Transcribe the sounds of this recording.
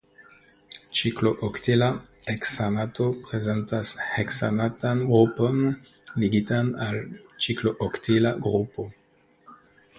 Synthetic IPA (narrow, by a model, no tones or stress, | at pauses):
t͡ʃikloʔoktilaeksanato̞pɾezentasheksanatanɡɾupo̞nliɡitanalt͡ʃikloʔoktilaɡɾupo̞